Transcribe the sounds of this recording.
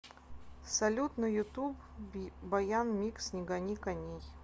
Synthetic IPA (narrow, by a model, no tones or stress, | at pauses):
sɐlʲut̪nɨjʊt̪ub | bɐjanmʲiksnʲɪɡɐnʲikɐnʲej